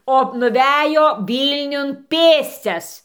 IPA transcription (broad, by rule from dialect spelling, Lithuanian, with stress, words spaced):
oː nʊˈʋʲæːjoː ˈʋʲiːlʲnʲʊn ˈpʲeːsʲt͡sʲɛs